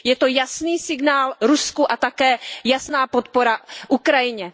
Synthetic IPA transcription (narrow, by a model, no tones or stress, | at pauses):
jɛt̪o̞jasniːsɪɡnaːlɾuskuʔat̪akɛːjasnaːpo̞t̪po̞ɾaʔukɾajɪɲɛ